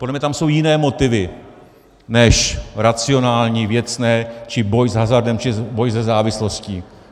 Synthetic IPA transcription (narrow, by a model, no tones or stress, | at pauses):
podlɛmɲɛt̪amso̞wjɪnɛːmo̞t̪ɪvɪ | nɛʃɾat͡sɪo̞naːlɲiːvjɛt͡snɛːt͡ʃɪbo̞jzɦazaɾdɛmt͡ʃɪbo̞jzɛzaːvɪslo̞sciː